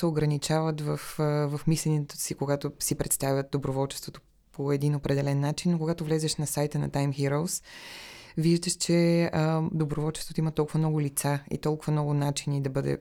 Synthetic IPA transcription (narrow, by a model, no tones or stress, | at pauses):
sɛoɡɾɐnit͡ʃavət̪vəfvɐfmislʲɛniɛt̪o̥sikoɡat̪osipɾɛt̪st̪avʲjət̪̚d̪obɾovɔlˠt͡ʃɛ̥st̪vot̪o̥ | pʰoɛd̪inopɾɛd̪ɛlɛnːat͡ʃinːokoɡat̪ovlɛzɛʃnɐsajt̪ənɐ̰t̪ajmxiɾoʊs | viʒd̪əʃt͡ʃɛəd̪obɾovɔlˠt͡ʃɛ̥st̪vot̪ʊimɐt̪ɔlˠkʊvɐmnɔɡʊlit̪saḭt̪ɔlˠkʊvɐmnɔɡʊnat͡ʃinid̪ɐbɤd̪ɛ̰